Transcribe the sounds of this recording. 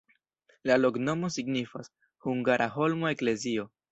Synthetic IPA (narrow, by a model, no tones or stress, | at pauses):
lalo̞kno̞mo̞siɡnifas | huŋɡaɾʔaɦo̞lmo̞e̞kle̞zio̞